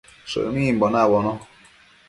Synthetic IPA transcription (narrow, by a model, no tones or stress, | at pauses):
sə̰ʔmim̩bɔnabɔnɔ